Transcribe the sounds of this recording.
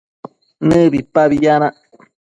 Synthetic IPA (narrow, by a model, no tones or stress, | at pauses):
nəbipaβijana